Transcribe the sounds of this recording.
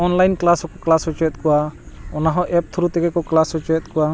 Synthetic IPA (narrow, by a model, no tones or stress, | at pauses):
ɔnlajnklasɔkɔklasɔt͡ʃɔɛt̪̚kɔwaɔnaɦɔ̃ʔɛp̚t̪ʰuɾut̪ɛɡɛkɔklasɦɔt͡ʃɔɛt̪̚kɔwa